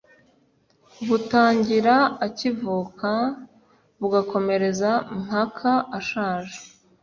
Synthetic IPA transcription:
βutaːɲɟiɾaːcivukʰa | βuɡakʰo̞me̞ɾe̞zam̥hakʰaaʃaːʒe

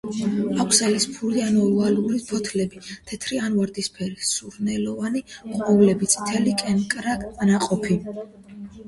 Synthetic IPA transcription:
akʷʰsalispʰuɾianɔualuɾipʰɔt̪ʰlɛbit̪ʰɛt̪ʰɾianvaɾd̪ispʰɛɾisuɾnɛlɔvaniqʼɔvlɛbit̪sʼi̥t̪ʰɛlikʼɛnkʼɾakʼanaqʼɔpʰi

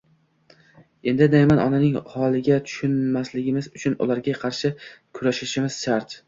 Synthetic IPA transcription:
e̞nd̪ɪd̪ajmanɒ̰nanɪŋhɒlˠɪɡʲat̪ʰʊ̥ʃʊnmaslɪɡʲɪmɪzʊt͡ʃʰʊnʊ̰lˠaɾɡʲaqʰɑɾʃɪkʰʊɾaʃɪʃɪmɪz̥ʃaɾt̪

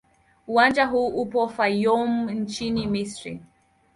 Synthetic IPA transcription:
uwand͡ʒaɦuːʔupɔfajɔmn̩t͡ʃinimisɹḭ

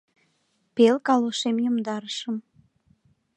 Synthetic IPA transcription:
pelkɑloʃemjumd̪ɑɾəʃəm

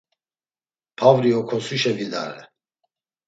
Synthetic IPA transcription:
pʰavɾiɔkʰɔsuʃɛvid̪a̰ɾɛ̰

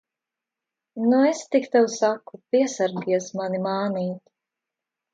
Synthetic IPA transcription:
nuest̪ikt̪ɛwsakːupiɛsaɾɡiɛsmanimaːniːt̪ʲ

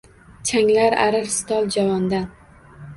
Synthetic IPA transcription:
t͡ʃʰaŋlaɾa̰ɾɪɾst̪ɒlˠd͡ʒavɒnd̪an

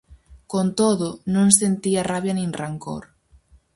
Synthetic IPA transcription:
kont̪oðonõŋsent̪iaraβjanĩŋraŋko̰ɾ

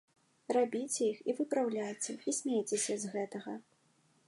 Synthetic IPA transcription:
rabʲit͡sʲɛixivɨpɾawlʲajt͡sʲɛisʲmʲejt͡sʲesʲɐzɣɛt̪ɐɣɐ

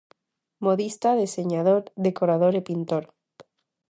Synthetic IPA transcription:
moðist̪aðeseɲaðoɾðekoɾað̞oɾepint̪oɾ

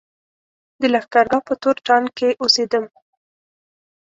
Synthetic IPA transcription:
d̪əlaxkaɾɡɑpət̪oɾʈɑnkeʔosed̪əm

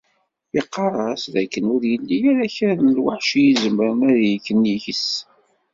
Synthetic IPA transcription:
iqːɑrˤɑsðækːənʊɾjəlːijɾæçəɾnlwaħʃijizəməɾəmæðjəkːəniçəs

